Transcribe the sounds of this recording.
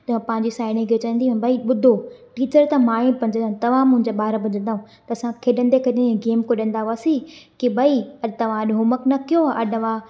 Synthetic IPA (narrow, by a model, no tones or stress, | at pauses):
t̪pɐ̃ɦɪ̃ɲd͡ʑisaːɪnikʰet͡ɕɐʋə̃nd̪ĩbʱɐiɓʊd̪ʱoʈiːt͡ɕəɾt̪ɐmaːĩpɐ̃ɲd͡ʑəant̪ɐʋ̤ãmʊ̃ɦɪ̃ɲd͡ʑaɓaːɾbʱʊd͡ʑə̃nd̪aːɦũ | t̪ɐɐsãkʰeːɗə̃nd̪ekʰeɗəneɡeːmkoɗə̃nd̪aaːsikibʱɐiɐɗt̪ɐʋ̤ãɐɗɦʊməknɐkʰijoɐɗʋã